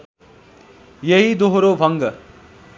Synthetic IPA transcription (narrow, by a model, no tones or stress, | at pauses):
jeɦid̪oɦɾobʱʌŋɡʌ